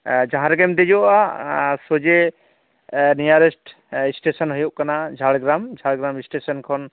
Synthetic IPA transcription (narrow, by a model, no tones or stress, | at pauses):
d͡ʒãɦãɾɛɡɛmd̪ed͡ʒɔʔasod͡ʒe | nijaɾesʈ | sʈesɔnɦojuʔ̚kanad͡ʒʱaɽɡɾamd͡ʒʱaɽɡɾamisʈesɔnkʰɔn